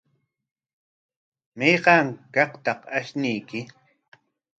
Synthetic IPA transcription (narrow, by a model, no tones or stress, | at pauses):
mejɢɑŋkɑqt̪ɑqaʃnɪjkɪ